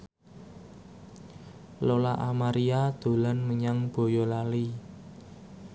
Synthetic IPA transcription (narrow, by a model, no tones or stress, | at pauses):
lolaʔamaɾiad̪̥o̤lanməɲaŋb̥o̤jɔlali